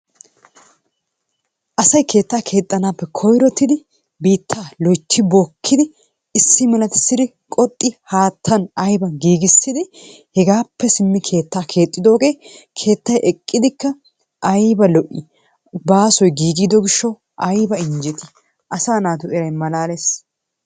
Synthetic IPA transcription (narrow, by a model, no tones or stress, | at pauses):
ʔɐsɐjkʰe̞ːt̪ːaːkʰe̞ːt̪ʼːɐnaːpːɛkʰɔjɾɔt̪ːɪd̪ɪ | biːt̪ʰːaːlɔjt̪ːɪbɔkʰːɪd̪ɪ | ɪsːɪmɛlɐt̪ɪ̥sɪd̪ɪ | kʼɔt̪ʼːɪhaːt̪ʰːɐnɐjbɐɡiːɡɪsːɪd̪ɪ | hɛɡaːpʰːɛsɪmːɪkʰe̞ːt̪ːaːkʰe̞ːt̪ʼːɪd̪o̞ːɡe̞ːkʰe̞ːt̪ːɐjʔɛkʼːɪd̪ɪkːɐ | ʔɐjbɐlɔʔɪ | baːsɔjɡiːɡɪd̪ɔɡɪʃːɔ | ʔɐjbɐɪnd͡ʒɛt̪ɪ̥ | ʔɐsaːnaːt̪ʊɛɾɐjmɐlaːles